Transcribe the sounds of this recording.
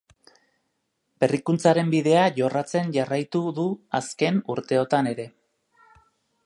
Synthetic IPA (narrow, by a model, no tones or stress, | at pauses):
be̞rikunt͡saɾe̞mbiðe̞aʝo̞rat͡se̞nʝarajt̪uðuaske̞nuɾt̪e̞o̞t̪ane̞ɾe̞